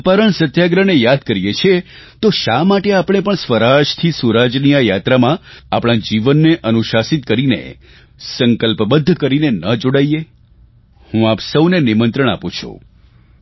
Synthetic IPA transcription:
paɾəɳsət̪jaɡɾənejad̪kəɾijet͡ʃʰet̪oʃamaʈeapɳ̃epəɳsʋəɾaʃt̪ʰisuɾad͡ʒnijajat̪ɾamãapɽ̃ãd͡ʒiʋənːeʔənuʃasit̪̚kəɾinḛ | səŋkəlpbəd̪ʱːkəɾinenəd͡ʒoɽaije | hũapsəwnenimənt̪ɾəɳ̃apũt͡ʃʰṵ

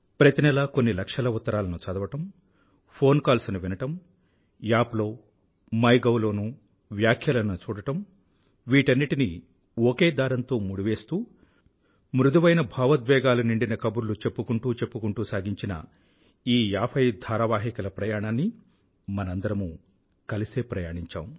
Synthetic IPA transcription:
pɾɐt̪inɛlɐko̞nːilɐkʂɐlɐut̪ːɐɾaːlɐnut͡ʃɐd̪ɐʋɐʈɐm | pʰo̞ːnkaːlsunuʋinɐʈɐm | jaːplo̞ː | mɐjɡɐwlo̞ːnu | ʋjaːkʰjɐlɐnut͡ʃuːɽɐʈɐm | ʋiːʈɐnːiʈini | okeːd̪aːɾɐnt̪o̞ːmuɽiʋe̞ːst̪uː | mɾud̪uʋɐjnɐbʱaːʋɐt̪̚bɛːɡaːluniɳɖinɐkɐbuɾlut͡ʃe̞pːukuɳʈuːt͡ʃe̞pːukuɳʈuːsaːɡiɲt͡ʃinɐ̰ | iːjaːpʰɐjd̪ʱaːɾɐʋaːɦikɐlɐpɾɐjaːɳaːnːi | mɐnɐnd̪ɐɾɐmu | kɐliseːpɾɐjaːɳiɲt͡ʃa̰ːm

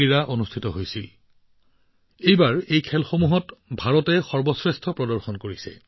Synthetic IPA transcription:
iɹaʔonustʰitɔɦojsil | ejbaɹejkʰɛlxomuɦɔtbʱaɹɔtɛxɔɹbɔsɹɛstʰɔpɹɔdɔɹxɔnkoɹisɛ̰

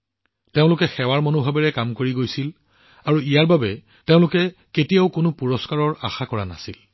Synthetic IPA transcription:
teʊ̃lʊkɛxɛwaɹmonubʱabɛɹɛkamkoɹiɡojsil | aɹuijaɹbabɛ | teʊ̃lʊkɛ | ketijaʊkʊnʊpuɹɔskaɹɔɹa̰xakɔɹana̰sil

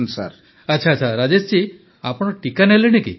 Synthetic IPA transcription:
nsa̰ɾ | əːt͡ʃʰat͡ʃʰaɾad͡ʒest͡ʃi | apɔɽ̃ɔʈikaneleɽ̃ekḭ

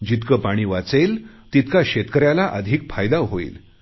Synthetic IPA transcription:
d͡ʑit̪kəpaɽ̃iːʋat͡sel | t̪it̪kaɕet̪kəɾjalaʔəd̪ʱiːk̚fajd̪aɦoḭːl

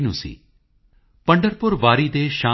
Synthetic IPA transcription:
nṵ̃sḭː | pə̃ɳɖəɾpʊɾʋaːɾiːd̪eːʃãː

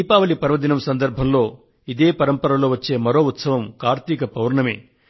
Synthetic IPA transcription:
iːpaːʋɐlipɐɾʋɐd̪inɐmsɐnd̪ɐɾbʱɐmlo̞ː | id̪e̞ːpɐɾɐmpɐɾɐloːʋɐt͡ʃːe̞ːmɐɾo̞ːut̪sɐʋɐmkaːɾt̪ikɐpɐwɾɐɳɐmḛː

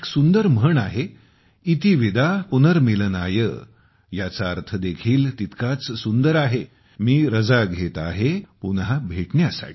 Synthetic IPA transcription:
eksund̪əɾm̤əɳaɦe | it̪iʋid̪ʱapunəɾmilənajə̰ | jat͡saəɾt̪ʰəd̪ekʰiːlt̪it̪kat͡ssund̪əɾaɦe | miːɾəd͡zaɡʱet̪a̰ɦepunɦabʱeʈɳjasa̰ʈʰi̥

